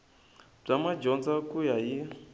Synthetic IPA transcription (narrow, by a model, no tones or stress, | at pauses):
b͡ʐamad͡ʒɔnd͡zakujaji